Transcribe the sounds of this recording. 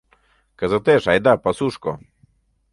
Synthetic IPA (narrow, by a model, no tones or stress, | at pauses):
kəzət̪eʃajd̪apasuʃkɔ